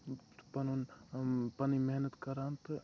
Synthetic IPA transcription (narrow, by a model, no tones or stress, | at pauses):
pɐnnpɐnimeɦnət̪kɐɾant̪